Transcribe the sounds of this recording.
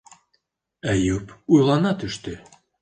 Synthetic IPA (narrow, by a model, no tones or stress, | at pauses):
æjupujlˠɑnɑt̪øʃt̪ø